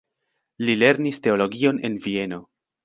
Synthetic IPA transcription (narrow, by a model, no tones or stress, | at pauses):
lile̞ɾniste̞o̞lo̞ɡio̞ne̞̰nvie̞no̞